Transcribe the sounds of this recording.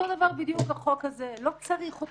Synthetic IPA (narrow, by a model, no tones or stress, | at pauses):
od̪avaʁbid̪jukaχokazelo̞kt͡saʁiχo